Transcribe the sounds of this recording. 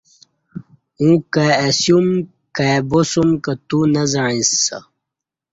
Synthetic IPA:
ũkaesjum | kabosumkat̪unɐzaɻĩsːa̰

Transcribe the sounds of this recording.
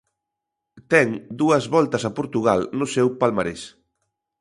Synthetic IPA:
t̪ɛŋd̪uɐzβɔlt̪ɐsɐpoɾt̪uɣ̞alnʊsɛwpalmaɾes

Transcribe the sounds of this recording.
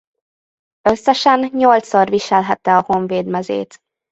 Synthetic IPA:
ø̞sːɛʃɛnɲo̞lt̪so̞rviʃɛlɦɛt̪ːɛɒho̞ɱveːd̪mɛzḛːt̪

